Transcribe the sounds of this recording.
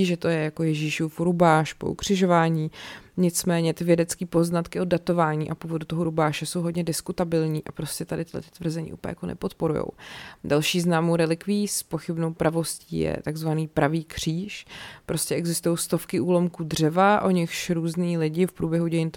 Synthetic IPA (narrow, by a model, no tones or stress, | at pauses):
iʒɛt̪o̞jɛjako̞jɛʒiːʃuːfɾubaːʃpoʔukr̥ɪʒo̞vaːɲiːɲɪt͡smɛːɲɛt̪ɪvjɛdɛt͡skiːpo̞znat̪kɪʔod̚ːat̪o̞vaːɲiːʔapuːvo̞dut̪o̞ɦoɾubaːʃɛso̞wɦodɲɛdɪskut̪abɪlɲiːʔapɾo̞scɛt̪adɪt̪ɪdlɛ̰t̪t̪vr̩zɛɲḭʔṵːpːja̰konɛ̰po̞t̪po̞ɾujo̰wdalʃiːznaːmowɾɛlɪkviːspoxɪbno̞wpɾavo̞sciḭːjɛ̰t̪aɡzvaniːpɾaviːkr̝̥iːʃpɾo̞scɛʔɛɡzɪst̪ujowst̪o̞fkɪʔuːlo̞mkuːdr̝ɛvaʔo̞ɲɪxʃɾuːzniːlɪɟɪfpɾuːbjɛɦuɟɛjɪnt̪